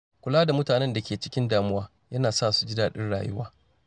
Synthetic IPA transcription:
kʷʊ˨laː˦da˨mʊ˦taː˨nɛ˦nda˨kʲeː˨t͡ʃɪ̥˦kʲɪ˦ndaː˨mʊ˦waː˦ | jɐ˦naː˨saː˦˨su̥˦d͡ʒɪ˦daː˨ɗɪ˦nɽa̰ː˨jʊ̰˦waː˦

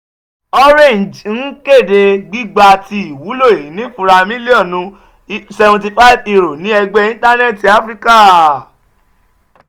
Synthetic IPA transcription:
ɔ˦ɾẽ˦˨n˨d͡ʒn̩˦ke˦˨de˧ɡ͡bi˦ɡ͡ba˧ti˧i˨wu˨˦lo˦˨e˨ĩ˨˦nĩ˦fũ˧ɾa˧mĩ˦li˦ɔ̃˦˨nũ˧ | sɛ˧vɛ̃˧t̬i˧fa˦˨vi˧ɾo˨nĩ˨˦ɛ˧ɡ͡bɛ˧ĩ˦ta˦nɛ˦˨ti˨a˦fɾi˦ka˦

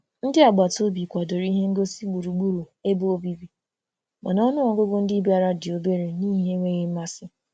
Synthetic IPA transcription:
n̩˦dɪ˦a˨ɡ͡ba˨to˦bi˨kʷa˨do˨ɾi˦ɦe˦ŋ̩˦ɡo˦si˦ɡ͡bu˨ɾu˨ɡ͡bu˦ɾu˨e˦bo˦o˦bi˦bi˨ | ma̰˨nɔ˦nʊ˦ɔ˨˦ɡʊ˦ɡʊ˦n̩˦dɪ˦ba˦ɾa˦dɪ˨o˨be˦ɾe˨niː˦ɦe˦ŋʷe˦ɣɪ˦m̩˦ma˦sɪ˦

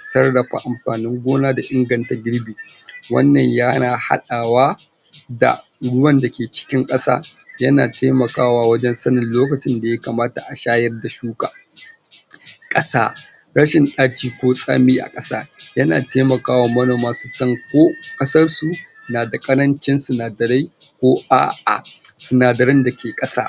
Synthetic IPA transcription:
sɐ˦rɽɐ˨ɸa̰˨ʔa˨mɸaː˨nɪ˦ŋɡʷoː˦naː˦da˨ʔɪ˦ŋɡɐ˨nta˨ɡʲɪ˦ɽbiː˨ | wɐ̰˦nːɐ˨ɲjaː˦naː˨ha̰˦ɗaː˨waː˦ | da̰˨ | ɽʊ˦wɐ˦nda˨kʲeː˨t͡ʃɪ̥˦kʲɪ˦ŋkʼɐ˦sa̰ː˦jɐ˦naː˨teː˦mɐ˨kaː˦waː˨wɐ˦d͡ʒɛ˦nsɐ˦nɪ˨nloː˦kɐ˨t͡ʃɪ˦nda˨jɐ˦kaː˨maː˦ta̰˨ʔa˨ʃaː˦jɐ˦rda˨ʃuː˦kʼa̰ː˨ | kʼɐ˦sa̰ː˦ | ɽɐ˦ʃɪ˨nɗaː˦tiː˦kʷoː˦sʼa̰ː˦miː˦ʔa̰˨kʼɐ˦sa̰ː˦jɐ˦na̰ː˨teː˦mɐ˨kaː˦waː˨mɐ˦noː˨maː˦su˨sɐ˦ŋkʷoː˦kʼɐ˦sɐ˦rsu˨ | naː˨da˨kʼɐ˦ɾɐ˦nt͡ʃɪ˦nsɪ˨naː˨dɐ˨ɾa˦j | kʷoː˦ʔa̰ː˦ʔa̰˨sɪ˨naː˨dɐ˨ɾɪ˦nda˨kʲeː˨kʼɐ˦sa̰ː˦

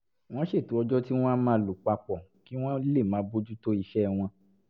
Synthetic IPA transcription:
w̃ɔ̃˦ʃe˦˨tu˨˦ɔ˧d͡ʒɔ˦ti˦w̃ɔ̃˦mãː˦lu˨k͡pa˧k͡pɔ˨ki˦w̃ɔ̃˦le˦˨mãː˨˦bo˦d͡ʒu˦to˦i˧ʃɛ˦w̃ɔ̃˧

